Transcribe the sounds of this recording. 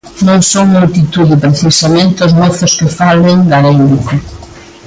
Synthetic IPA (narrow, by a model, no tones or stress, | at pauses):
nõŋsoŋmult̪it̪uðɪpɾeθisamẽnt̪ɪozmoθʊskɪfaleŋɡaɾejnd̪ikʊ